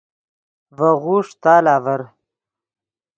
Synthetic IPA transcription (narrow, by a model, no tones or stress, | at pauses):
vɐɣuːʂt̪aːlaːvɐɾ